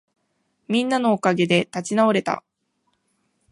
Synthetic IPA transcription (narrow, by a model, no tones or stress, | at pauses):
mʲĩnːano̞ːkaɡe̞d̪e̞t̪at͡ɕinao̞ɾe̞t̪a̰